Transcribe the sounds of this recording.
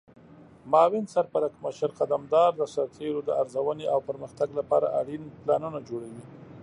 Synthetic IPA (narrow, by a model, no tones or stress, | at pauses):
mɑwɪnsaɾpaɾakməʃaɾqad̪amd̪ɑɾd̪əsaɾt̪ʰeɾod̪əaɾzawəneʔawpəɾməxt̪aɡlapɑ̰ɾa̰ʔaɽinplɑnunad͡ʒoɽawi